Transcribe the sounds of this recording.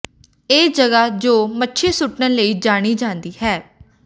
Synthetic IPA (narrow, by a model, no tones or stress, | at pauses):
eːd͡ʒəɡaːd͡ʒoːmətːʃʰeːsʊʈnəːləiːd͡ʒaːɽ̃iːd͡ʒãːnd̪iːɦɛː